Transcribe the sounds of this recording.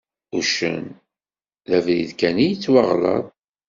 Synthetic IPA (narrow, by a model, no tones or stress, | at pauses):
uʃə̰n | ðævðiðkænijt͡sːwɑʁlɑ̰ðˤ